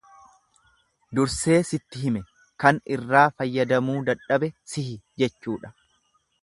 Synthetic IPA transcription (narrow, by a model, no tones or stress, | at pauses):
d̪ʊɾse̞ːsɪt̪ːɪɦɪmɛ | kɐnɪrːaːfɐjːɐd̪ɐmuːd̪ɐᶑɐbɛsɪhɪd͡ʒɛt͡ʃːuːᶑɐ̥